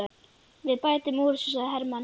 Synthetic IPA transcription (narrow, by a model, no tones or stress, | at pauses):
vɪðpaːjt̪ɪmuːɾɪsus̬aðɦɛɾman